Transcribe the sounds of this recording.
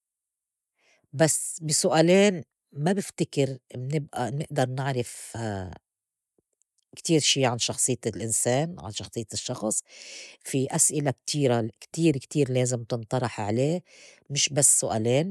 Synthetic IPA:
basbisʊʔaːleːn | mabɪft̪ɪkɪɾmnɪbʔanɪʔd̪ɑɾˤnɪʕɾɪf | kt̪iːɾʃiːʕanʃɑxsˤɨjːt̪lʔɪnseːnʕa̰nʃɑxsˤɨjːt̪ɪʃːɑxsˤfiʔasʔɪlak̚t̪ʰiːɾakt̪iːɾkt̪iːɾleːzɪmt̪ɪnt̪ˤɑɾˤɑħʕaleː | mɪʃbasːʊʔaːleːn

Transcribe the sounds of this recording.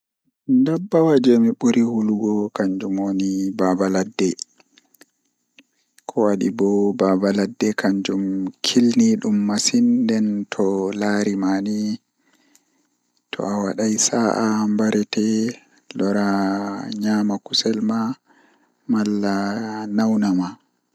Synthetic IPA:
ndabːawad͡ʒɛmiɓuɾihuluɡɔkaɲd͡ʒumwonibabaladːɛ | kʰɔwaɗḭbɔbabaladːɛkʰaɲd͡ʒumkʰilniɗumːasindɛntʰɔlaɾimani | tʰɔ̰awaɗajsaʔambaɾɛtɛ | lɔɾaɲamakusɛlma | malːanawnama

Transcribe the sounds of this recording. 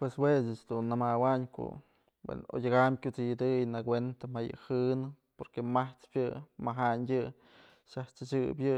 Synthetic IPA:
pweswesɨt͡ʃd̪unːamawaɲko̰ | wḛno̰jʲaɡamkʲut͡sid̪ɨjnakwent̪amajɨ̰hɨnɨ | poɾkemaht͡spʲjɨmaɦaɲjʲɨ | ʃaht͡ʃɨt͡ʃɨbjɨ

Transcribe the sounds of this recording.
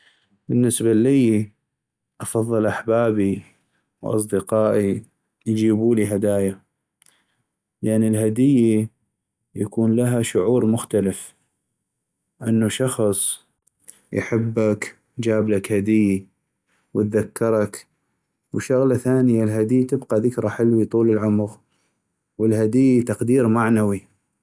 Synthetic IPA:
bənːɪsbaliː | ʔɑfɑðˤːɨlʔaħbaːbi | wʔɑ̰s̬ˤd̪ɪqɑːʔi | jd͡ʒiːbuːliɦad̪aːja | lʔanːilɦad̪ɪjːa | jakuːnlaɦaʃʊʕuːɾmʊxt̪alɪf | ʔɪnːaʃɑxsˤ | jħɪbːak | jd͡ʒaːblakhad̪ɪjːi | wɪt̪̚ðakːɑɾˤɑk | wʃʊɣlaθaːnɪjalɦad̪ɪjːt̪ɪbqɑðɪkɾˤɑħɪlwit̪ˤuːləlʕʊmɣ | wəlhad̪ɪjːit̪ɑqd̪iːɾmaʕnawi

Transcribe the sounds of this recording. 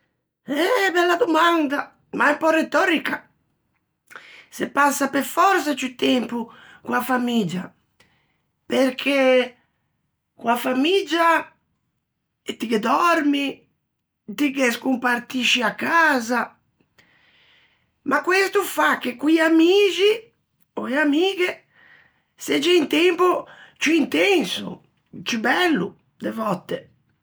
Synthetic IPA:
ɛbɛlːad̪umand̪a | maɛmpɔret̪ɔɾika | sepasːapeɾfɔɾsat͡ʃut̪ɛmpu | kwafamid͡ʒa | peɾkʰe | kwafamid͡ʒa | t̪iked̪ɔɾmi | t̪ikeskumpaɾt̪iʃiakːaːza | makːwest̪ufakːekujamiːd͡ʒi | oeamiːɡe | sed͡ʒɛint̪empot͡ʃuint̪ensṵ | t͡ʃubɛlːṵ | d̪evɔt̪ːe

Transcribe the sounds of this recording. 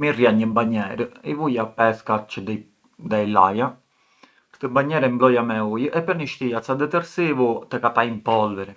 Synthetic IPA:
miriaɲːəbaɲːɛɾəivujapɛskat͡ʃəd̪ɛ | d̪ɛjla̰ja | ɾt̪əbaɲːɛɾəimblɔjamɛujəʔɛpːɛniʃt̪ijat̪sad̪ɛt̪ɛɾsivut̪əkat̪aimpɔlvɛɾɛ

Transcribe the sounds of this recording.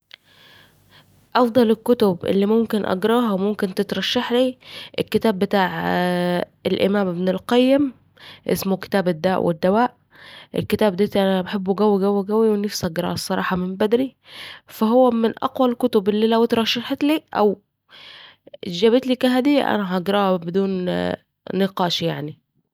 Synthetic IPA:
ʔɑfd̪ˤɑlekːot̪obʔḛlːimomkenʔɑ̰ɡɾˤɑːhɑwmomkent̪et̪ɾˤɑʃːɑħliːʔelkːet̪æːbːet̪aːʕ | elʔḛmæːmebnelqɑjːem | ʔḛsmoke̥t̪æːbed̪ːæːʔwʔḛd̪ːæwæːʔ | ʔḛlket̪æːbd̪æːt̪ʔænæbeħebːuɡæwːiɡæwːiɡæwiwenefshɑɡɾˤɑ̰ːsˤːɑɾˤɑ̰ːħɑmembæd̪ɾifæɦowːæmɪnʔɑ̰qwælkʊt̪obʔelːiːlæwt̪ɾˤɑʃːɑħt̪liːʔæ̰w | d͡ʒæbet̪liːkæɦæd̪iʔæ̰næɦɑʔɑɡɾˤɑːhɑbed̪uːnː | eqɑːʃjaʕni

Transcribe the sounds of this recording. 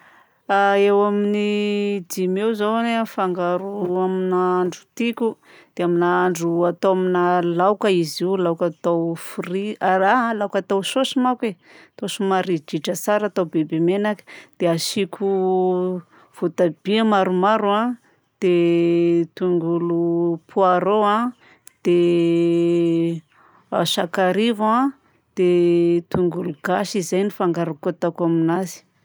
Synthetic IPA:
aewaminid̪imewzawanfaŋɡaɾuaminaaɳɖ͡ʐu̥t̪ikʲu | d̪̥eaminaaɳɖ͡ʐuat̪oaminalawkəiziwlawkat̪awfriaɾalawkat̪awsosimake | t̪osumaɾid͡ʒiʈ͡ʂəsaɾat̪awbebemenakə̥d̪̥eaʃikʲu | v̥ot̪ab̥iamaɾumaɾuã | d̪̥e | t̪uŋɡulupʰuaɾoa | d̪̥e | aʃakaɾiva | d̪̥et̪uŋɡuluɡ̥aʃizajnifaŋɡaɾakoat̪akaminazi̥

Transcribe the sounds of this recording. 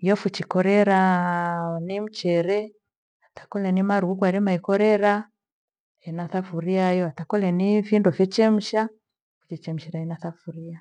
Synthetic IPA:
jɔfut͡ʃikɔɾɛɾa | nim̩t͡ʃɛɾɛ | atḁkɔlɛnimaɾuuk̬waɾimaikɔɾɛɾa | ɛnaθafuɾiajɔatakɔlɛnifindɔfɛt͡ʃɛm̩ʃa | fu̥t͡ʃɛt͡ʃɛm̩ʃɛɾainaθafuɾia

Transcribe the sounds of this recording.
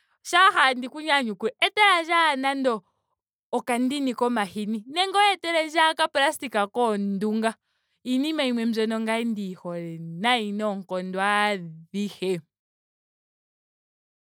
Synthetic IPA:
ʃahandikuɲaɲukuɛɛtɛɾaʒanandɔː | kandinikɔmahininɛŋɡɔɛtɛɾɛʒakaplastikakɔnduŋɡa | inimaimwɛm̩zɔnɔŋɡaindihɔlɛnainɔŋkɔndwaðihɛ

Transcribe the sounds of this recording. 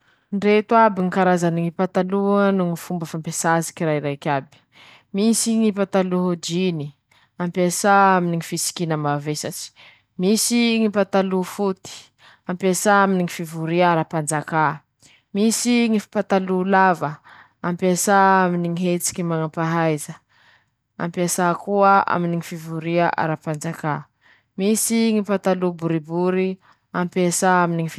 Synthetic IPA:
nɖ͡ʐet̪uabiŋikaɾazaniŋipat̪aluanuŋifumbəfampesasi̥kiɾajɾajkʲabi̥ | misiŋipat̪aluɦod͡ʒini | ampesaaminiŋifisi̥kinəmavesat͡si̥ | misiŋipat̪alufut̪i̥ | ampesaaminiŋifivuɾiaɾapand͡zaka | misiŋifpat̪alulavə | ampesaaminiŋiɦet͡si̥kʲimanapaɦajzə | a̰mpesakuəa̰miniŋifivuɾiaʔa̰ɾapand͡zaka | misiŋipat̪alubuɾibuɾi | ampesaaminiŋif

